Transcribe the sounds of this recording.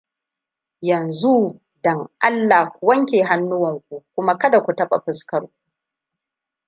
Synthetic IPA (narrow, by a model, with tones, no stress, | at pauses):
jɐ˨nzu˦ | dɐ˨ŋʔa˦lːaː˨˦wɐ˦ŋkʲeː˨ɦa˦nːʊ˦wɐ˨ŋkʷu˦kʷʊ˦ma˦kɐ˦da˨kʷu˨tɐ˦ɓa̰˨ɸɪ˨skɐ˦ɽkʷu˦